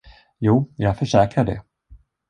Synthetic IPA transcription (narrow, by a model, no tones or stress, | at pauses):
juːjɑːɡfœʂɛːkɾaɖɛ̰